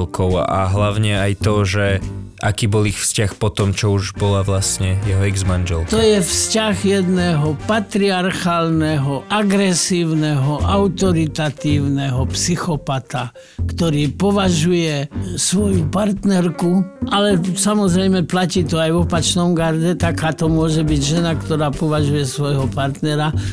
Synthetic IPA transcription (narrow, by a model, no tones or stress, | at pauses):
lkʰɔʊa̰ɦlaʊɲɛajt̪ɔʒɛʔakiːbɔlixfscaxpɔt̪ɔmt͡ʃɔuʒbɔlaʋlasɲɛjɛɦɔɛɡzmanʒɛlt̪ɔjɛfscaɣjɛd̪nɛɦɔpat̪ɾiaɾxaːlnɛɦɔʔaɡɾɛsiːʊnɛɦɔʔaʊt̪ɔɾit̪at̪iːʊnɛɦɔpsixɔpat̪a | kt̪ɔɾiːpɔʋaʒujɛsʋɔjupaɾt̪nɛɾkuʔalɛsamɔzɾɛjmɛplaciːt̪ɔajʋɔpat͡ʃnɔmɡaɾɟɛt̪akaːt̪ɔmʊɔʒɛbiɟʒɛnakt̪ɔɾaːpɔʋaʒujɛsʋɔjɦɔpaɾt̪nɛɾa